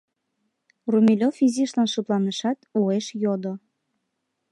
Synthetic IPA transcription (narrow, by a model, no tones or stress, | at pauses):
rumʲilʲofiziʃlɑnʃup̪lɑneʃɑt̪ueʃjod̪o